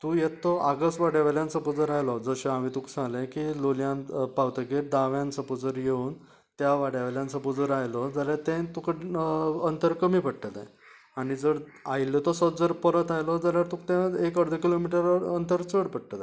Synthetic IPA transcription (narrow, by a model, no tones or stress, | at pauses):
t̪ũːjet̪ːɔaɡəsʈʋaɽjaʋeljãnt͡səpud͡zəɾajlɔd͡zəɕẽamit̪uksãlẽkiloljãnpawt̪əkeɾd̪aʋjãnt͡səpud͡zəɾjeun | t̪jaʋaɽjaʋeljãnt͡səpud͡zəɾajlɔd͡zaljaɾt̪ẽt̪ukəənt̪əɾkəmiːpəʈʈət̪ã̰j | anid͡zəɾ | ajljɔt̪ɔsɔd͡zəɾpəɾət̪ajlɔd͡zaljaɾt̪ũkt̪ɛ̃ekəɽd̪ʱəkilomiʈəɾənt̪əɾt͡səɽpəʈ̚ʈət̪a